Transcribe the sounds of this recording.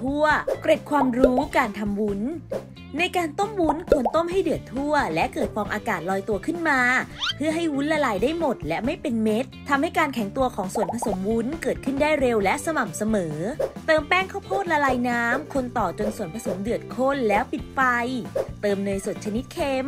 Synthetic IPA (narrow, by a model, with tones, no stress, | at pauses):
t̪ʰu˥˩ɐkɾe˨˩t̚kʰwaː˧mɾuː˦˥kaː˧nt̪ʰa˧mwu˦˥n | na˧jkaː˧nt̪o˥˩mwu˦˥nkʰo˧nt̪o˥˩mɦa˥˩jdɯ˨˩ət̪ʰːu˥˩ɐlɛ˦˥ʔkɤː˨˩t̪̚fʰɔː˧ŋʔaː˧kaː˨˩t̪̚lɔː˧jt̪u˧ɐkʰɯ˥˩nmaː˧pʰɯ˥˩ɐɦa˥˩jwu˦˥nla˧laː˧jdaː˥˩jmo˨˩t̪̚lɛ˦˥ʔma˥˩jpe˧nme˦˥t̪̚ʰːa˧mha˥˩jkaː˧nkʰɛ˨˩˦ŋt̪u˧ɐkʰɔː˩˦ŋsu˨˩ənpʰa˧so˩˦mwu˦˥nkɤː˨˩t̪̚kʰɯ˥˩ndaː˥˩jɾe˧wlɛ˦˥ʔsa˧ma˨˩msa˧mɤː˩˦t̪ɤː˧mpɛː˥˩ŋkʰa˥˩wpʰoː˥˩t̪̚la˧laː˧jnaː˦˥mkʰo˧nt̪ɔː˨˩t͡ɕo˧nsu˨˩ənpʰa˧so˩˦mdɯ˨˩ət̪̚kʰo˥˩nlɛː˦˥wpi˨˩t̪̚pa˧jt̪ɤː˧mnɤː˧jso˨˩t̪̚t͡ɕʰa˧ni˦˥t̪̚kʰeː˧m